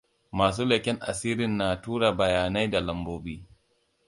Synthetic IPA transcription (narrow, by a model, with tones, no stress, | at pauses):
maː˨s̬uː˦lɐ˨kʲɛ˦ŋʔa̰˨siː˦ɾɪ˨nːaː˨tuː˦ɽa˨bɐ˨jaː˨na˦jda˨lɐ˨mboː˦biː˦